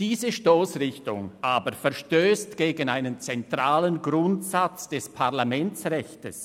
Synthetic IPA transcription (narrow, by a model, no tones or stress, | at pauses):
d̥iːzəʃtoːsʁɪçtʊ̰ŋʔaːbəɾfɛɐʃtøːstɡ̥eːɡənaɪnənt͡sɛntʁaːlənɡʁʊntsat͡sd̥ɛspʰaʁlamɛntsʁɛçtəs